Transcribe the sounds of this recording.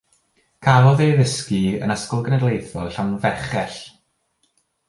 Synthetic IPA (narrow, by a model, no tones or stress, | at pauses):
kʰalɔðeðɪskiə̰nəskɔlˠɡənɛdlejθɔɬawnvɛχɛɬ